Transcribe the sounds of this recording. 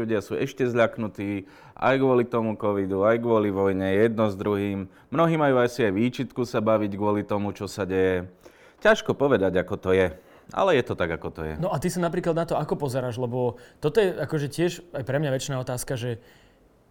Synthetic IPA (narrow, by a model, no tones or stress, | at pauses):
uɟɪasuːɛʃcɛzʎaknut̪iː | ʔa̰jɡʋɔlit̪ɔmukɔʋid̪uajɡʋʊɔliʋɔjɲɛjɛd̪̚nɔzd̪ɾuɦiːmː | nɔɦiːmajuːajsiajʋiːt͡ʃit̪kusabaʋiɟɡʊɔlit̪ɔmut͡ʃɔsaɟɛjɛ | caʃkɔpɔʋɛd̪aɟakɔt̪ɔjɛ | a̰lɛjɛt̪ɔt̪aɡakɔt̪ɔ̰jɛ̰nɔʔat̪isanapɾiːklad̪nat̪ɔakɔpɔzɛɾaːʒlɛbɔt̪ɔt̪ɔjɛakɔʒɛcɪɛʒajpɾɛmɲaʋɛt͡ʃnaːɔt̪aːskaʒɛ